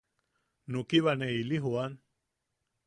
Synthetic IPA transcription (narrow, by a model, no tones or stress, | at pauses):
nukiβaneiliɦuan